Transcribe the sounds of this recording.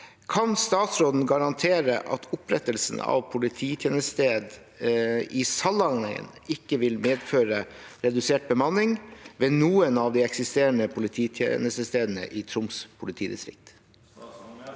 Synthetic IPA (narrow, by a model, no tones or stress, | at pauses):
kʰɑnst̪ɑːt̪sɾoːd̪n̩ɡɑɾɑnt̪ʰeːɾəʔɑ̰t̪ʰʊpɾɛt̪əlsn̩ɑ̰ʋpʰʊlɪt̪ʰiːt̪ʰjeːnəst̪eːd̪ | ɪsɑlɑŋə̰n | ɪkːəʋɪlmeːd̪føːɾə | ɾɛd̪ʉseːʈ̚bəmɑnːɪŋʋeːnuːənɑʋd̪iːɛksɪst̪eːɾəɳəpʰʊlɪt̪ʰiːt̪ʰjḛːnəst̪əst̪eːd̪nə̰ʔɪːt̪ʰɾʊmspʰʊlɪt̪ʰiːd̪ɪst̪ɾɪ̰k̚t̪